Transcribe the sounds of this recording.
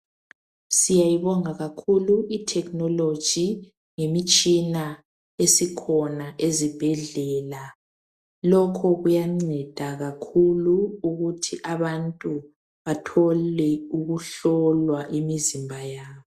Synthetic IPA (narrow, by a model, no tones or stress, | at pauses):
sijajiβɔŋaɣakʰuluitʰɛknɔlod̥ʒ̥ʱi | ŋemit͡ʃʼina | esikʰɔnaʔezib̥ʱɛɮɛːla | lɔkʰɔɣujaŋ͡ǀɛd̥ʱaɣakʰuluːɣutʰiʔaβantʼu | βatʰɔlɛuɣuɬɔlwaʔimizimbʱajaːβɔ